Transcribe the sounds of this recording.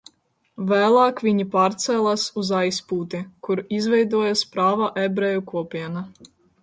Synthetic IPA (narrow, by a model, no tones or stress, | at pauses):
væːlˠaːkvʲiɲipaːɾt̪sɛlˠasuzajspuːt̪ikuɾizvʲɛjd̪uɔjaspɾaːvaʔɛbɾɛjukuɔpʲiɛna